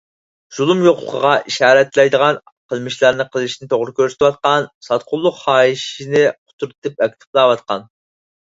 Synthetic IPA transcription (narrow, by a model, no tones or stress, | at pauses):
z̥ulˠumjoqlˠə̰qʰəʁɑʔiʃɑːɾɛt̪lɛjd̪əʁɑn | qʰəlˠmɪʃlˠɑɾnɪqʰəlˠɨʃinɪt̪ʰoʁɾɪkʲʰøɾsy̥t̪ʰɨwɑt̪̚qɑnsɑt̪̚qʰʊlˠːʊqχɑːiʃinɪqʰʊ̥t̪ʰuɾt̪ʰɨp̚ɛkʲt̪ʰɪ̥plˠɑːwɑt̪̚qɑ̰n